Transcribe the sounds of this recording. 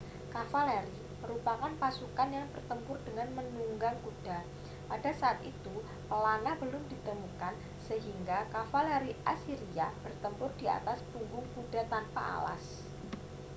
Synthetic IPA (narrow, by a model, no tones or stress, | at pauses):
kafalɛɾi | məɾupakanpasukanjaŋbərt̪əmpʊrdəŋanmənuŋɡaŋkud̥a | padasaːt̪it̪u | pəlanabəlʊmdit̪əmukan | səɦiŋɡakafaleɾiʔasiɾiab̥ərt̪əmpʊrdia̰t̪asb̥uŋɡʊŋkudat̪anpa̰ʔa̰la̰s